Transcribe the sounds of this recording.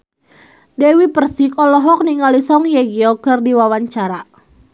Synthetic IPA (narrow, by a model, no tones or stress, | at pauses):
dɛwipərsikʼɔlɔɦɔk̚niŋalisɔŋjɛɡiɔkərdiwawaɲt͡ʃaɾa